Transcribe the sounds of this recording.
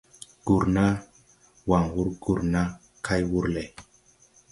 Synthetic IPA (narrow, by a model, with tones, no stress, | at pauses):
ɡ̥u˨ɾna˦ | wa˨ŋwu˦ɾɡu˨ɾna˦ | kʰa˦jwu˦ɾle˨